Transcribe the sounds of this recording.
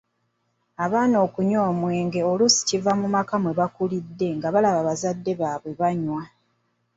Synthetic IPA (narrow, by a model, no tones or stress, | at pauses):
aβaːno̞ːkuɲo̞ːmwe̞ːŋɡe̞olusi̥civamumakamwe̞βakulidːe̞ŋɡaβalaβaβazadːe̞βaβwe̞βaɲwa